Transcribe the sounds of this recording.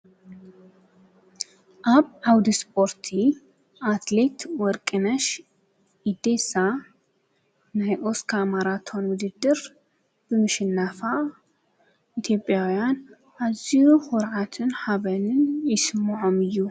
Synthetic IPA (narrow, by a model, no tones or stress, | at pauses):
ʔaβʕawd̪ispʰo̞ɾt̪ʰi | ʔat̪let̪wɔɾkʼɨnɐʃ | id̪esa | najʔo̞skʰamaɾat̪ʰonwʊd̪ɨd̪ːɨɾ | bɨmɨʃɪnːafa | ʔit̪ʰjo̞pʼːjawjan | ʔazijuxɔɾʕat̪ʰɨnħaβɐnɨnjɪsɨmːɨʕo̞mɨjːu